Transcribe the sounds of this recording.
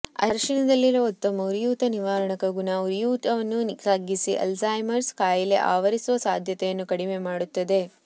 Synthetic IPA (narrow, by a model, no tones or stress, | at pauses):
ɐ̰ɾʂinɐd̪ɐlːiɾɐot̪ːɐmɐuɾjuːt̪ɐniʋaːɾɐɳɐkɐɡunɐuɾijuːt̪ɐʋɐnːunsaːɡisiʔɐ̰lzaːjmɐɾskaːjɐlḛʔa̰ːʋɐɾisuʋɐsaːd̪ʱjɐt̪ɛjɐnːukɐɽime̞maːɽut̪ːɐd̪e̞